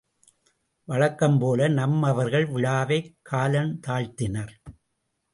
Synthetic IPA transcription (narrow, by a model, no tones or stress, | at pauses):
ʋɐɻɐkːɐmpoːlɐnɐmɐʋɐɾɣɐɭʋɪɭaːʋɐɪkʰːaːlɐnt̪aːɻt̪ɪnɐɾ